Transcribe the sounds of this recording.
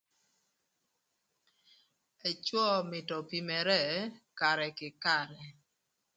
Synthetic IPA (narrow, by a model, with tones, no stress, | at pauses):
e˨t͡ʃwɔ˦mɪ˨tɔ˨pi˨mɛ˨ɾɛ˦˨ka˨ɾɛ˨kɪ˨ka˦˨ɾɛ˨